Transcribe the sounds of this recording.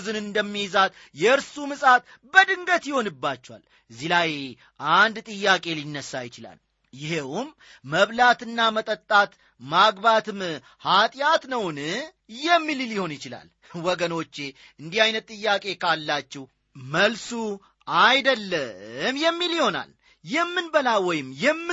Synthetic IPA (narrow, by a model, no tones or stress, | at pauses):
zɨnɨnd̪əmːizat̪ | jɛɨɾsumɨsʼat̪ | bəd̪ɨŋɡət̪jɪho̞nɨbːat͡ʃːɛwa̰l | zːilaj | ʔand̪t̪ʼɨjːakʼe̞linːəsːajɪt͡ʃɪla̰l | jɪhewumː | əβlat̪ɨnːamət̪ʼət̪ʼːat̪ | maɡbat̪ʰɨm | hat̪ʼjat̪nəwn | jɛmːililjɪho̞njɪt͡ʃɪla̰l | wɔɡəno̞t͡ʃːe̞ | ɨnd̪ihajnət̪ʼːɨjːakʼe̞kʰalːat͡ʃːɛw | məlsu | ajd̪əlːəmjɛmːiljɪho̞na̰l | jɛmːɨnbəlawɔjɪmːjɛmːɨ